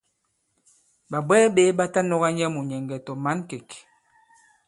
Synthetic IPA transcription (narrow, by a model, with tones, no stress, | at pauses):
ba˨bɛː˦be˦ba˦ta˦nɔ˦ɣa˦ɲɛ˦mu˨ɲɛ˨ŋ˨ɡɛ˨tɔ˨ma˦nke˨k